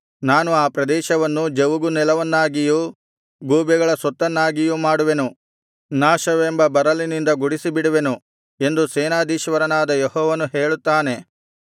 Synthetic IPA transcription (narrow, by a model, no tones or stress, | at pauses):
naːnuaːpɾɐd̪ɛːʃɐʋɐnːud͡ʒeʋuɡunɛlɐʋɐnːaːɡiju | ɡuːbɛɡɐɭɐsɔt̪ːɐnːaːɡijumaːɽuʋe̞nu | naːʃɐʋembɐbɐɾɐlinind̪ɐɡuɽisibiɽuʋe̞nu | e̞nd̪usɛːnaːd̪iːʃʋɐɾɐnaːd̪ɐjehɔːʋɐnuɦeːɭut̪ːaːne̞